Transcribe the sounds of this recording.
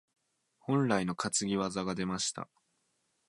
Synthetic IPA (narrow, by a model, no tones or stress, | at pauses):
hõ̞nɾaino̞kat͡sɨɡʲiβazaɡad̪e̞maɕi̥t̪a̰